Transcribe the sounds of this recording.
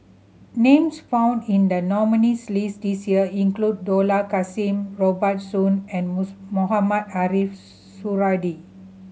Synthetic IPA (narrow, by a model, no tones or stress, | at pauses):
nẽmsfãw̃ndĩndənɔmənislisdisjiəĩŋklud̚ːolakasĩmɹɔbət̚sũnɛ̃nmoɦamadaɾif | suɹadi